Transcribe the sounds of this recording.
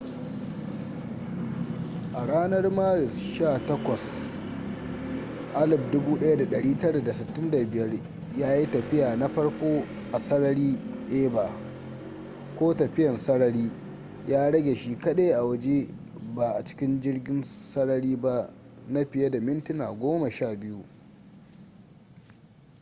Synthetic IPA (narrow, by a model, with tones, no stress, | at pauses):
ʔa˨ɽaː˦nɐ˦rmaː˦ɾɪ˨sʃaː˦˨tɐ˦kʷɐ˨s | ʔa˦lɪ˨b̚dʊ˦buː˦ɗɐ˦ja˦da˨ɗɐ˨ɽiː˦tɐ˦ɽa˨da˨sɪ˨tːɪ˦nda˨bɪ˨jɐ˦r | jaː˦ji˦tɐ˨ɸɪ˦jaː˨na˦ɸɐ˦ɽkʷoː˦ | ʔa˨sɐ˦ɽɐ˦ɽiː˦ɗeː˦ba˨ | kʷoː˦tɐ˨ɸɪ˦jɐ˨nsɐ˦ɽɐ˦ɾiː˦ | jaː˦ɽɐ˦ɡʲe˨ʃi˦kɐ˦ɗe˦jʔa˨wɐ˦d͡ʒe˦ | ba˨ʔa˨t͡ʃɪ̥˦kʲɪ˦nd͡ʒɪ˦rɡʲɪ˦nsɐ˦ɽɐ˦ɽiː˦ba˦na˦ɸɪ˨je˦da˨mɪ˦ntɪ˦naː˨ɡʷoː˦mɐ˨ʃaː˦˨bɪ˦ju˦